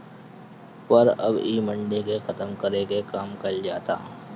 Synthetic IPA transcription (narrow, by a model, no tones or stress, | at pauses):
pɐɾɐ̰biːmə̃ɳɖekexɐt̪əmkɐɾekekaːmkɐld͡ʒaːt̪a̰ː